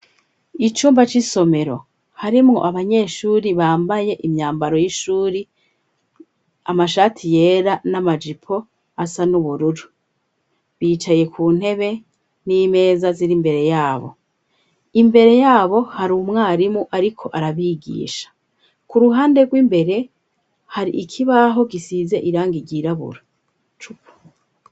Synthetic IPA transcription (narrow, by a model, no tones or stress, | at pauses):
it͡ʃuːmbat͡ʃiso̞me̞ɾo̞̰ | haɾimŋo̞̰ʔaβaɲe̞ːʃuːɾiβaːmbaje̞ʔimɲaːmbaɾo̞jiʃuːɾi | amaʃaːtʰije̞ːɾanamad͡ʒipʰo̞ | asanuβuɾuɾu | βiːt͡ʃaje̞kʰuːn̥he̞βe̞ | nime̞ːzaziɾimbe̞ɾe̞jaːβo̞̰ | imbe̞ɾe̞jaːβo̞haɾuːmŋaːɾimuʔaɾikʰo̞ʔaɾaβiɡḭːʃḁ | kuɾuɦaːnde̞ɡwiːmbe̞ɾe̞ | haɾḭʔikʰiβaɦo̞ɡisizeʔiɾaːŋɡiɟiɾaβṵɾa | t͡ʃupo̥